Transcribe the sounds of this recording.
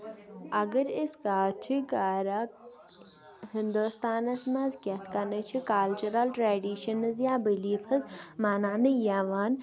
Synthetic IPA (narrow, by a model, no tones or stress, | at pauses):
ɐɡɐɾɪskaːt͡ʃʰikaːɾa | hɪnd̪ust̪aːnɐsmɐzkʲɐt̪ʰkɐnɐt͡ʃʰikalt͡ʃuɾɐlʈɾaːɖiːʃɐnɐzjaːbiliːpʰɐzmaːnaːnɨjaʋaːn